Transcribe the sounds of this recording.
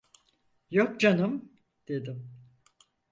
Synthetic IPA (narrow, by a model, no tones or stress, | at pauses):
jok̚d͡ʒanɯm | d̪̥e̞d̪im